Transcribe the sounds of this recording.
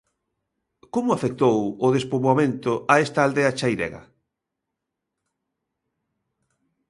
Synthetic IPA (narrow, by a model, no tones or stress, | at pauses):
komʊafek̚t̪owʊð̞espoβoamẽnt̪ʊʔaest̪aːld̪eat͡ʃajðḛɣɐ̰